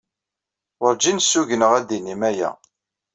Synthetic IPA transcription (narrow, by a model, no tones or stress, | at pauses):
ʊɾd͡ʒinsːuʝənəʁæd̪inimæjæ̰